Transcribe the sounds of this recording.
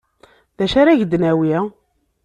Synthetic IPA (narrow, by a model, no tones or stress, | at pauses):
ðæʃaɾaʝd̪næwiæ